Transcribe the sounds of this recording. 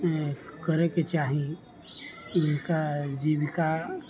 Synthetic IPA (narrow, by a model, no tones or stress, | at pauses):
kɐɾeket͡ʃaːɦie | ɪnkad͡ʒiːʋɪka